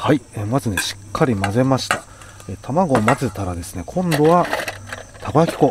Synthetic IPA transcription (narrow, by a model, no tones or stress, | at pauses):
haiemazɨne̞ɕi̥kʰːaɾʲimaze̞maɕi̥t̪ḁ | et̪ʰamaɡo̞ːmazet̪aɾad̪e̞sɨne̞kʰõ̞nd̪o̞βa | t̪ʰaɡojakʲi̥ko̞